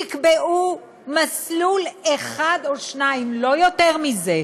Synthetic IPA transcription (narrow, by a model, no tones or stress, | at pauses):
ikbeʔu | masluleχadoʃnaimlo̞jo̞teʁmize